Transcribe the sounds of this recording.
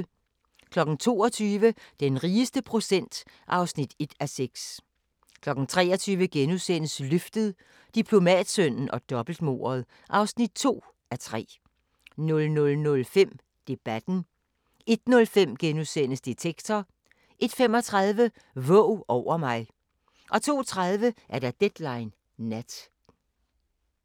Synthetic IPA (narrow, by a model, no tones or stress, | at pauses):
kʰlɒ̽ɡ̥n̩t͡sʰo̝̰ːɒ̽t͡sʰyːʋəd̥enʁiːəsd̥əpʰʁo̝sen̰d̥ | ʔɑ̈ʊsnid̥e̝d̥æseɡ̥s | kʰlɒ̽ɡ̥n̩t͡sʰʁɛ̰ːɐt͡sʰyːʋəɡ̥enusenəsløfd̥əð̞ˠ | d̥ipʰlo̝mɛ̰ːd̥sœn̰n̩ʔɒ̽d̥ɒ̽b̥l̩d̥mo̝̰ːɐð̞̩ˠ | ʔɑ̈ʊsnid̥̚t͡sʰo̝̰ː | æt͡sʰʁɛ̰ː | nɔ̽lnɔ̽lnɔ̽lfem̰ | d̥e̝b̥æd̥n̩ | e̝d̥nɔ̽lfem̰ɡ̥enusenəsd̥et͡sʰeɡ̥t͡sʰɒ | ʔe̝d̥fem̰ɒ̽t͡sʰʁɑð̞ˠʋə | ʋɔʊʔɒʊ̰ɐmɑ̈ɪ | ʔɒ̽t͡sʰo̝̰ːt͡sʰʁɑð̞ˠʋəʔæɐɾ̥æd̥ed̥lɑ̈ɪnː | æd̥